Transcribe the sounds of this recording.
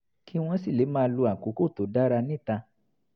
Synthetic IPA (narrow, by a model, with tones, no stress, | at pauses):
ki˦w̃ɔ̃˧si˦˨le˨˦mãː˦˧˦lu˧a˨ko˨˦ko˦˨to˨˦da˦ɾa˧nĩ˦˨ta˧